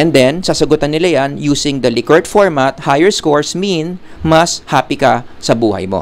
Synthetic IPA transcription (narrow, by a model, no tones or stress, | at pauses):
ʔɛnd̪ɛnsɐsɐɡʊt̪ɐnːɪlajanjuːsɪŋd̪ɐlɪkɛɹd̪foɹmat̪̚hajɛɹskoɹsmin | mɐshaːpɪkɐ | sɐbuːhɐ̰jmo̰